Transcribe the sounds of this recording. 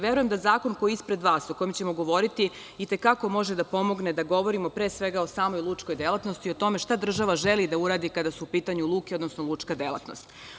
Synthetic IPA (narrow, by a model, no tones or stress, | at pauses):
ʋjeɾujemd̪azaːko̞nko̞jiispɾe̞d̪ʋaːsoko̞jemt͡ɕe̞mo̞ɡo̞ʋo̞ɾit̪i | it̪e̞kako̞mo̞ʒed̪apo̞mo̞ɡned̪aɡo̞ʋo̞ɾimo̞pɾesʋe̞ɡaosaːmojlˠut͡ʂko̞jd̪elˠat̪nost̪io̞t̪o̞me̞ʃt̪ad̪r̩ʒaʋaʒelid̪auɾaːd̪ikad̪asuupiːt̪aɲulˠuːkeo̞d̪nosnolˠut͡ʂkad̪elˠa̰t̪no̞̰st̪